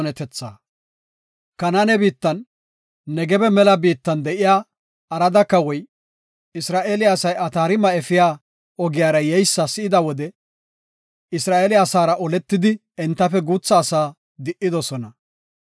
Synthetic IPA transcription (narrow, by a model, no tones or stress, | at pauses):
nɛt̪ɛt͡sːa̰ː | kɐnanɛbiːt̪ːɐnː | ɛɡɛbɛmɛlɐbiːt̪ːɐnd̪ɛʔɪjaː | ɐɾɐd̪ɐkːɐwɔj | ɪsɾaːʔeːlɪaːsɐjɐt̪aːɾɪmɐɛfɪjaː | ɔɡɪjaːɾɐjɛjsːɐsɪɪd̪ɐwɔd̪ɛ | ɪsɾaːʔeːlɪasaːɾɐʔɔlɛt̪ːɪd̪ɪ | ɛnt̪ːɐfɛɡuːt͡sːɐːsaː | d̪ɪʔɪd̪ɔsɔnɐ